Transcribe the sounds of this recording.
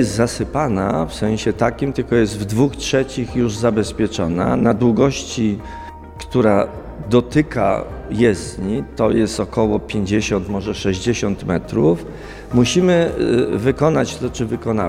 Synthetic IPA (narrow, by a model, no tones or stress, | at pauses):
jɛst̪zasɘpana̰fsɛ̃ɕɛt̪akʲimt̪ɘlkɔjɛst̪vd̪vuxtʂɛt͡ɕixjuʐzabɛspʲjɛt͡ʂɔna̰nad̪wuɡɔɕt͡ɕi | kt̪uɾa | d̪ɔt̪ɘka̰jɛzɲit̪ɔjɛst̪ɔkɔwɔpʲjeɲd͡ʑeɕɔnt̪mɔʐɛʂɛʑd͡ʑeɕɔnt̪mɛt̪ɾuf | muɕimɘvɘkɔnat͡ɕt̪ɔt͡ʂɘvɘkɔna